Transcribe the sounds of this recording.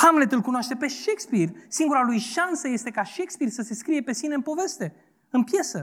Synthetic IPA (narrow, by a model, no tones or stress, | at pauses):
hamlet̪ɨlkunoaʃt̪e̞pe̞ʃekspirsiŋɡuɾalujʃansəje̞st̪e̞kaʃe̞kspirsəse̞skɾije̞pe̞sine̞ɨnpo̞ve̞st̪e̞ | ɨnpje̞sə